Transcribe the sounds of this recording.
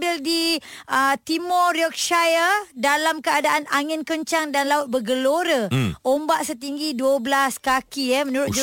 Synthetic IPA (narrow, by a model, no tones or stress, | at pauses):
bɪldiət̪imɔɾiɔk̚ʃajədalamkəadaʔanaŋɪnkəɲt͡ʃaŋdanlaut̪̚bəɡəloɾəʔombaʔsət̪̬iŋɡiduəbəlaskakiɛmənuɾʊt̪̚d͡ʒ